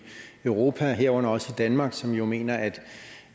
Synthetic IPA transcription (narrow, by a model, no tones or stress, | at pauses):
øʊʁo̝ːpʰæɦeɐɒ̰ɐnɐɒ̽səid̥ænmɑ̈ːɡ̥sɒ̽mjo̝me̝̰ːnɐæd̥